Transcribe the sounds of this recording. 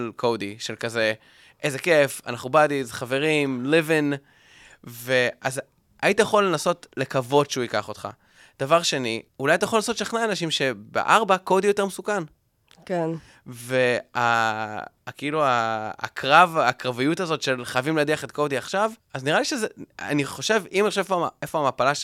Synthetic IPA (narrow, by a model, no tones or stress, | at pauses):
lkʰodiʃelkaze̞ | ʔejze̞ke̞fa̰naχnubadizχave̞ʁimlivin | ve̞az | ʔaitajeχo̞lːenaso̞tle̞kavo̞dʃeuikaχo̞tχa̰ | d̪̥avaʁʃe̞niulajat̪̬ajeolnaso̞tʃaχnaːnaʃimʃe̞bḛʔaʁbako̞dijo̞te̞ʁmesukan | ken | ve̞a̰ | keilua̰ːkʁavakʁavijutazo̞tʃe̞lχajavimlediaχetko̞diaχʃavazniʁaliʃezea̰niχo̞ʃe̞vimaχʃavefoaefoamapalaʃ